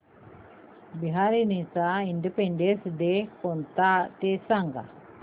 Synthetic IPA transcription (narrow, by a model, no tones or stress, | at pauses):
biɦaɾinisainɖipeɳɖesdɛkɔnt̪aʔt̪ɛsaŋɡa̰